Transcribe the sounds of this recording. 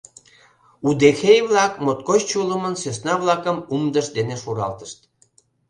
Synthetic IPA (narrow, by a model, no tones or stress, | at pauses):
ud̪exejβlɑkmot̪̚kot͡ɕt͡ɕuləmənsøsnɑβlɑkəmumd̪əʃd̪eneʃuɾɑ̰lt̪əʃt̪